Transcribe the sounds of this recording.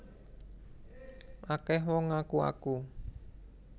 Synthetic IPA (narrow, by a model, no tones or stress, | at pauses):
ʔakɛɦwɔŋakua̰ku